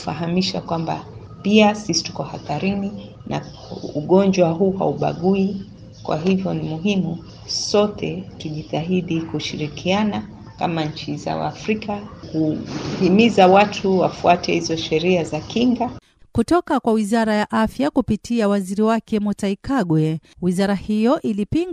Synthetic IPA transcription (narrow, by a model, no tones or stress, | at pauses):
faɦamiʃakwamba̰ | piasisi̥tu̥kɔhaθaɾini | na̰ | uɠɔnd͡ʒwaɦuːɦa̰uɓa̰ɠui | kwa̰ɦivjɔnimuɦimu | sɔtʰɛkiʄitaɦiɗikuʃiɾikʰiana | ka̰maɲ̩t͡ʃiza̰wa̰ːfɾikakuhimizawatʰuwafuatɛhizɔʃɛɾiazakiŋɡa | kutɔkakwawizaɾajaʔafjakupitʰiawaziɾiwakɛmɔtaikaɡwɛwizaɾahijɔʔilipiŋ